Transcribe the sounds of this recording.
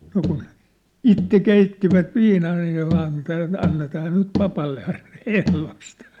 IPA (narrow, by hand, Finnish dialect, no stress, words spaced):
no kun itːe keitːiʋæt ʋiːnɑː ɑij jɑ ʋɑːn ĕtæ ɑnːetɑː nyt pɑpɑlːe ɑin ehlost